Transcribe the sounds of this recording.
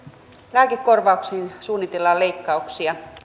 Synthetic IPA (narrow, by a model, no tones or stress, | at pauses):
læːkekːorʋɑuksiːnsuːnːit̪elːɑle̞ikːɑuksiɑ